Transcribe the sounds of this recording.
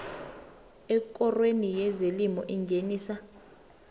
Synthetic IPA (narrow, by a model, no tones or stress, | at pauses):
ɛk̬ʼɔrwenijɛzelimɔʔiŋɡʱeniːsa